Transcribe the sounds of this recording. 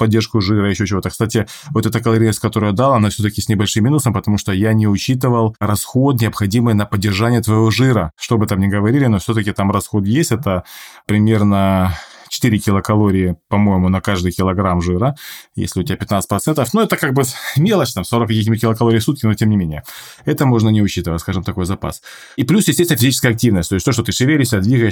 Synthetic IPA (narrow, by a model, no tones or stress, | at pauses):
pɐdʲːeʂkʊʐɨɾəɪɕːot͡ɕɪvo̞t̪əkst̪atʲɪ | vot̪ɛt̪əkɐlˠɐɾʲisʲkɐt̪oɾʊjad̪alˠɐnafsʲɵt̪əkʲɪsʲnʲɪbɐlʲʂɨmʲːinʊsəmpət̪ɐmuʂt̪ojanʲɪʊt͡ɕit̪ɨvəlˠɾɐsxo̞t̪nʲɪɐpxɐdʲimɨjnɐpədʲːɪrʐanʲɪjət̪vɐjɪvo̞ʐɨɾəʂt̪oɐbɨt̪amnʲɪɡəvɐɾʲilʲɪnofsʲot̪əkʲɪt̪amrɐsxo̞t̪jesʲtʲɛt̪əpɾʲɪmʲe̞rnət͡ɕɪ̥t̪ɨɾʲɪkʲɪlˠəkɐlˠo̞ɾʲɪjɪpɐmo̞jɪmʊnɐkaʐd̪ɨjkʲɪlˠɐɡɾamʐɨɾəjḛsʲlʲɪʊtʲɪbæpʲɪt̪nat̪sɨ̥pɾɐt̪sɛnt̪əfnoɛt̪əkaɡ̚bɨmʲelˠəst͡ɕt̪amso̞ɾəkːɐkʲixnʲɪbit̪̚kʲɪlˠəkɐlˠoɾʲɪjfsut̪̚kʲɪnotʲemnʲɪmʲenʲɪjəɛt̪əmo̞ʐnənʲɪʊɕit̪ɨvətʲskaʐɨmt̪ɐko̞jzɐpa̰s | iplʲusjɪsʲt̪ʲesʲt̪ʲnəfʲzʲit͡ɕɪskəɐk̚tʲivnəsʲt̪o̞ɪsʲtʲt̪ot̪ot̪ɨʂɨvʲeɾʲɪʂsʲd̪ʲad̪vʲiɡəjɪʂ